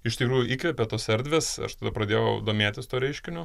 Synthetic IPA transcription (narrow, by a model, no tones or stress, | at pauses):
ɪʃt̪ʲɪkɾuːjʊʔiːkʋʲeːpʲet̪oːsɛɾʲd̪ʲʋʲeːsɐ̰ʃt̪ɐd̪ɐpɾɐd̪ʲeːjɛʊd̪oːmʲeːt̪ʲɪst̪oːɾʲɛɪʃʲkʲɪnʲoː